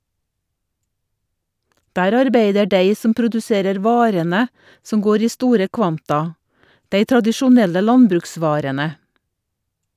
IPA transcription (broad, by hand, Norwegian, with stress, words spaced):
ˈdæːɾ ɑɾˈbeɪdə ˈɖeɪ ˈsɔm pɾʊdʉˈseːɾəɾ ˈʋɑːɾənə ˈsɔm ˈɡoːɾ ˈiː ˈstuːɾə ˈkʋɑntɑ ˈdeɪ tɾɑdɪʃʊˈnɛlə ˈlɑnbɾʉkˌsʋɑːɾənə